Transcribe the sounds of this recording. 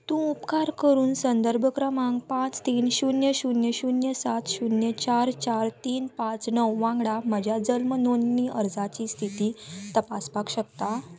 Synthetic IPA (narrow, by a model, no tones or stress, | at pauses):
t̪ũupkaɾkəɾuːnsənd̪əɾbʱəkɾəmaŋɡpãt͡st̪iːnɕunjəɕunjəɕunjəsat̪ʰɕunjət͡ɕaɾt͡ɕaɾt̪iːnpãt͡snəwʋãŋɡɽaməd͡ʑʱjad͡zəlmnonːiːəɾd͡zat͡ɕist̪ʰit̪iːt̪əpaspakɕəkt̪a